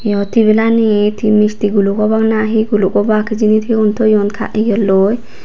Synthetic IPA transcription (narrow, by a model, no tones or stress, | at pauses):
jɔt̪iβelanet̪ʰimist̪iɡulukɔbaknaɦiɡulukɔbakʰd͡ʒinit̪ʰiunt̪ʰɔjɔnkʰa̰ʔijɔlːoj